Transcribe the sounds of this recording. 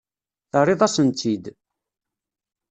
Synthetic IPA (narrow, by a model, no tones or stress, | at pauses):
θərˤːɪðˤæsənt̪ʰid̪